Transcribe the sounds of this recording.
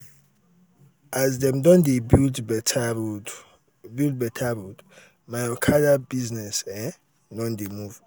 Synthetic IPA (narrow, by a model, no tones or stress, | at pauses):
ʔazdɛ̃mdɔ̃ndebildbɛtʰ | bild̚bɛtʰaɹud | maɔkʰadabiznɛsɛ̃ | dɔ̃ndemuv